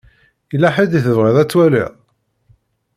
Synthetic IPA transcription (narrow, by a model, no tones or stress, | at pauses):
lːæħəd̪iθəvʁiðˤæt͡sːwælḭʁ